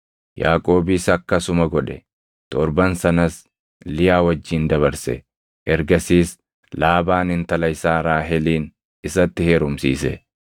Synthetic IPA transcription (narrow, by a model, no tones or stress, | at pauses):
jaːkʼoːbɪsɐkːɐsʊmɐɡɔᶑɛ | t̪ɔɾbɐnsɐnɐs | lɪjaːwɐd͡ʒːiːnd̪ɐβɐɾsɛ̰ | ʔɛɾɡɐsiːs | laːbaːnɪnt̪ɐlɐjsaːɾaːɦɛliːn | ɪsɐt̪ːɪheːɾʊmsḭːsɛ